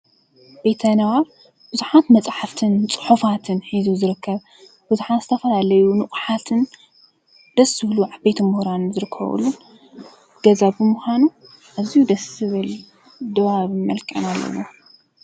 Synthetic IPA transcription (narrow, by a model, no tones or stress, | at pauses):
bet̪ʰɐnawa | b̥ɨzuħat̪mɐt͡sʼħaft̪ʰɨnt͡sʼɨ̥ħufat̪ʰɨnħizuzɨɾɨkʰːɐβ | b̥ɨzuħat̪z̥ɨt̪ʰɐfɐlalɐjunɨχʼħat̪ʰɨn | d̪̥ɐsːɨhluʕabet̪ʰɐmɨhɾanzɨɾɨkʰːɐ̰βṵlːun | ɡ̥ɐzabɨmuxʷanu | ʔazijud̪ɐsɨβɨl | d̪ɨβaβɨmɐlkʼɐ̰nalːɐ̰wo̰